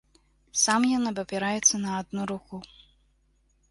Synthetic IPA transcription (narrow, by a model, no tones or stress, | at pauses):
samjanɐbɐpʲɛɾajɛt̪sːɐnɐːd̪̚nuɾuku